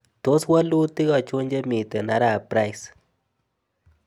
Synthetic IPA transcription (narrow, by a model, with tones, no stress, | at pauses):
t̪o˦swa˦lu˦t̪i˦ɡa˧t͡ʃu˦ɲd͡ʒe˦mi˨t̪e˨na˦ɾa˦˨pɾa˧js